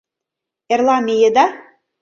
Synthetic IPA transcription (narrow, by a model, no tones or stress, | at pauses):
erlɑmejĕd̪ɑ